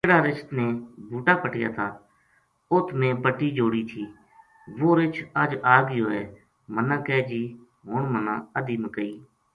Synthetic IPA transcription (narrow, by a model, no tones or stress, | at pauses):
eɽaːɾɪʃt̪neːbʱuːʈaːpəʈɪja̰ːt̪ʰaː | ʊt̪ʰmẽːpəʈːiːd͡ʒoːɽiːt̪ʰiː | ʋoːɾɪt͡ʃʰəd͡ʒaːɡəjoːɛː | mənãːkɛːd͡ʒiː | ɦoːɳmənã̰ːəd̪iːmkəiː